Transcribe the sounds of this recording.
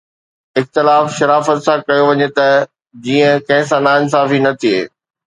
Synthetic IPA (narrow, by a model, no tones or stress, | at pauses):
ɪxt̪ɪlaːfʃɐɾaːfət̪sãkɐjoʋɐɲet̪ɐ | d͡ʑiːə̃kɐ̃ɦɪ̃sãnaːɪns̬aːfinɐt̪ʰiḛː